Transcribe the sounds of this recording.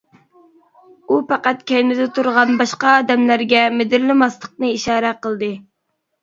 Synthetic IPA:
upɑqæt̪̚kʲɛjnɪd̪ɪt̪ʰuɾʁɑnbɑʃqɑːd̪ɛmlæɾɡʲɛmɪd̪ɪɾlɪmɑslˠəq̚nɨiʃɑːɾɛqəlˠd̪ɨ

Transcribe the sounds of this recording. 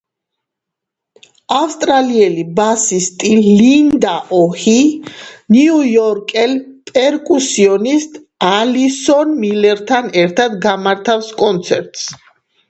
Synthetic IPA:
afst̪ʼɾaliɛlibasist̪ʼilind̪aʔɔhiniujɔɾkʼɛlpʼɛɾkʼusiɔnist̪ʼ | alisɔnmilɛɾt̪ʰanɛɾt̪ʰad̪ɡamaɾt̪ʰafskʼɔnt̪sʰɛɾt̪ʼs

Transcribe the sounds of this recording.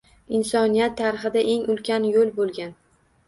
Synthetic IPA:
ɪnsɒnijat̪ʰːaɾɪχɪd̪aʔe̞ŋʊlkʲʰanjolbolˠɡʲan

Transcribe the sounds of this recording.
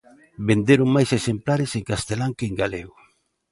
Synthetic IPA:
bend̪eɾʊŋmajsesemplaɾɪseŋkast̪elaŋkeŋɡaleɣʊ

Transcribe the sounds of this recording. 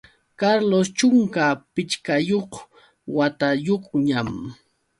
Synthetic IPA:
kaɾlost͡ʃʊŋkapɪt͡ʃkajoχ | wat̪ajoχɲam

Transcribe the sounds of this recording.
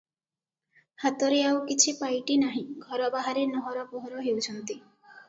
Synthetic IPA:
hat̪ɔɾeawkit͡ʃʰipajʈinaɦĩɡʱɔɾɔbaɦaɾenɔɦɔɾɔpɔɦɔɾɔɦewt͡ʃʰɔnt̪i

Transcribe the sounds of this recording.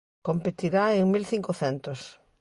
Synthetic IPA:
kompet̪iɾaeŋmilθiŋkoθɛnt̪os

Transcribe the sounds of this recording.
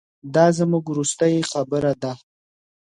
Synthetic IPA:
d̪ɑzəmuɡɾust̪ajixabəɾad̪a

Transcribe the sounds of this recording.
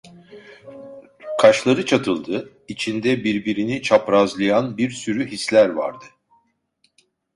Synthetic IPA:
kʰaʃlˠaɾɯt͡ʃʰat̪ʰɯlˠd̪ɯ | it͡ʃʰind̪ɛbiɾbiɾinit͡ʃʰapɾazlˠɯjanbiɾsyɾyɦislʲæɾva̰ɾd̪ɯ

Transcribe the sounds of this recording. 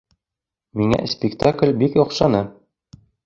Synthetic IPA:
miŋæ̰spʲɪkt̪aklʲbikɒqʃɑnɤ

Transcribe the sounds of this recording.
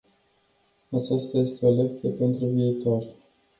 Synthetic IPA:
at͡ʃast̪aje̞st̪eolek̚t̪sijepe̞nt̪ɾuviːt̪o̞rʲ

